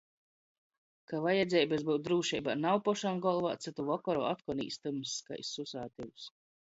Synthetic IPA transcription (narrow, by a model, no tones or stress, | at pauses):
kavajɛd̪zʲɛjbɛsbɨw̪d̪ɾuːʃɛjbanawpɔʃamɡɔlˠvaːt̪sɨt̪uvɔkɔɾɔ̰at̪kɔnḭːst̪ɨmɨsːka̰jsːusaːt̪iwus